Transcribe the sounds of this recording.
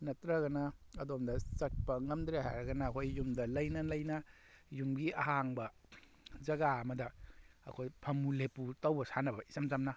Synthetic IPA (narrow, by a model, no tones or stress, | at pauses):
nɐtɾɐɣɐnɐɐdomdɐsɐt̚pɐŋɐmd̪ɾeɦa̰ɾɐɡɐnɐːkʰojːumdɐlɐjnɐlɐjnɐ | jumɡiɐɦaŋbɐ | zɐɡaɐmɐdɐɐ̰kʰojpʰɐmuleputɐwbɐsanɐbɐisamzamnɐ